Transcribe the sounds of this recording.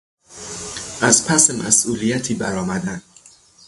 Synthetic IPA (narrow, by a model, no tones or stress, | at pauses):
ʔæzpʰæsemæsʔuːlijæt̪ʰiːbæɾɒːmæd̪æn̥